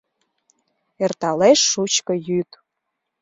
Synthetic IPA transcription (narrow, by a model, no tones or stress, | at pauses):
ert̪ɑleʃːut͡ɕkə̆jyt̪